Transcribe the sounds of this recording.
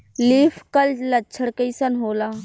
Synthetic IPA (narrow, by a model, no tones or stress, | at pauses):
liːfʰkɐllɐt͡ʃʰəɽkəjsɐnɦoːlaː